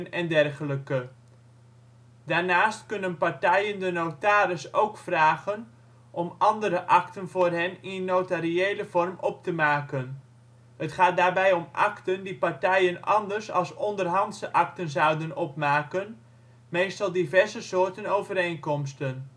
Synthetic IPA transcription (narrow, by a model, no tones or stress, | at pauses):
nɛndɛrχələkə | d̥aːɹnaːstkʏnənpaɹtɛjəndənowtaːɾəsowkfraːχən | ʔɔmɑndəɾəʔɑktənvʊːrɦɛnɪnnːotariejləv̥ɔrmʔɔp̚təmaːkən | ɦətχaːt̚daːrbɛjɔmʔɑ̰ktəndipaɹtɛjənɑ̰ndəɹsɑ̰lˠsɔndərɦɑndsəʔɑk̚tənzʌwdənɔp̚maːkən | mejstɑlˠdivɛɹzəsʊːɹtənowvəɾejnkɔmstən